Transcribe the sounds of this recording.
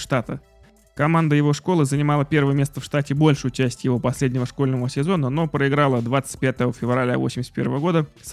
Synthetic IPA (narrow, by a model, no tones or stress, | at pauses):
ʂt̪at̪ə̰ | kɐmand̪əjɪvo̞ʂko̞lˠɨzənʲɪmalˠəpʲe̞rvəjəmʲe̞st̪əfʂt̪atʲɪbo̞lʲʂʊjʊt͡ɕæsʲtʲjɪvo̞pɐsʲlʲedʲnʲɪvəʂko̞lʲnəvəsʲɪzo̞nəno̞pɾəɪɡɾalˠəd̪vat̪sɨ̥t̚ʲpʲat̪əvəfʲɪvrɐlʲa̰vo̞̰sʲɪmʲɪsʲt̪pe̞rvəvəɡo̞d̪ə | s